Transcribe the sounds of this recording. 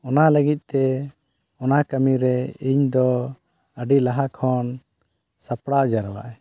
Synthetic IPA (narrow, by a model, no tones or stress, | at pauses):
ɔnaləɡit̪̚ˀt̪ɛ | ɔnakəmiɾɛiɲd̪ɔ | əɖilaɦakʰɔn | sapɽaɔd͡ʒaɾwa̰ʔɛ